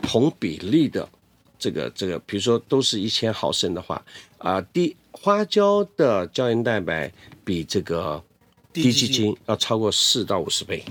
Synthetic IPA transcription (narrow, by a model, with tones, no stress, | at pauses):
t̪ʰʊ˧˥ŋpḭ˨˩li˥˩d̪ə̰˩ | ʈ͡ʂɤ˥˩ɡə̰˩ʈ͡ʂɤ˥˩ɡə̰˩pi˨˩ɻu˧˥ʂwɔ˥t̪o˥ʊʂɻ̩˥˧i˥˩t͡ɕʰjɛ˥nxɑ˨˩ʊʂə˥˩nd̪ə˨xwa̰˥˩ə̰˧t̪i˥˩ | xwa˥t͡ɕjɑ˥ʊd̪ə˨t͡ɕjɑ˥ʊɛ˧˥nt̪a˥˩ɪpa˧˥˦ɪpi˨˩ʈ͡ʂɤ˥˩ɡə˩ | t̪i˥t͡ɕi˥˧t͡ɕi˥njɑ˥˩ʊʈ͡ʂʰɑ˥ʊkwɔ˥˧ʂɻ̩˥˧t̪ɑ˥˩ʊu˨˩ʂɻ̩˧˥pe˥˩ɪ